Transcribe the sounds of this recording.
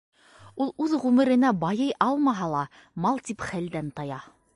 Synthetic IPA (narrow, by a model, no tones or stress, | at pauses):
ulˠʉðʁʉmɘ̆ɾɘ̆næbɑjɤjʔɑlˠmɑɦɑlˠɑ | mɑlˠt̪ipχæld̪ænt̪ɑjɑ